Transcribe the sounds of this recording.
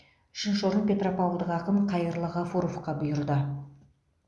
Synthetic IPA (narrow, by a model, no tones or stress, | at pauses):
ʏ̥ʃɪnʃoɾəɴpʲe̞t̪ropawlˠd̪əqɑqəmqʰɑjəɾlˠəʁɑfuɾofqɑbʊjʊɾd̪ə